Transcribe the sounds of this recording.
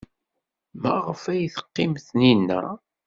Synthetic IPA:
mæʁəfæjθə̥qːɪmθninːæ̰

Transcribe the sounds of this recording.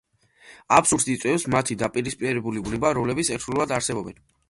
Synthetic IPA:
apsuɾd̪it̪sʼwɛfsmat̪ʰid̪apʼiɾispʼiɛɾɛbulibnɛbaɾɔmlɛbit̪sʰɛɾt̪ʰɾulˠvad̪aɾsɛbɔbɛn

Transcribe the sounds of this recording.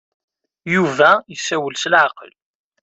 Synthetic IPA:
juvæjəsːæwəlsəlʕɑqə̰l

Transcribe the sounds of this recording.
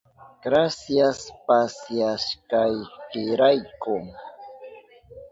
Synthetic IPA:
ɡ̥ɾasjaspasjaʃkɑjkɪɾajkʊ

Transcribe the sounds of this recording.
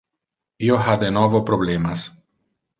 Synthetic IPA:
ioɦad̪enɔvopɾoblemas

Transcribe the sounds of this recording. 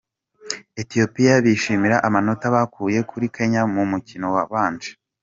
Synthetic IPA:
e̞tijo̞pijaβiʃiːmiɾaʔamano̞taβakʰuːje̞kʰuɾike̞ɲamumucino̞waβaːnd͡ʒe̥

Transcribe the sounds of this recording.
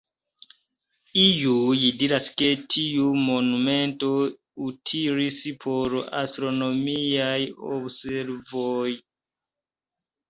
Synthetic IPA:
ijujidiɾaske̞tʰiumo̞numento̞ | utʰiɾispʰoɾa̰stɾonomiajo̰bseɾvoj

